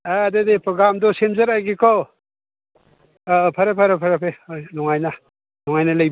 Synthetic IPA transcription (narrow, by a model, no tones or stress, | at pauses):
adedepʰɾɔɡɾamdɔsemzɐɾajɡikʰɔ | pʰɐɾepʰaɾepʰaɾepʰejnɔŋajna | nɔŋajnalajb